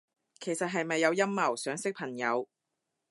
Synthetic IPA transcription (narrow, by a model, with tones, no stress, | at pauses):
kʰe˨˩jsɐ˨t̚ɦɐ˨jmɐ˨jːɐ˨˧wjɐ˥mːɐ˨˩wsœː˨˥ŋsɪ˥k̚pʰɐ˨˩ŋjɐ˨˧w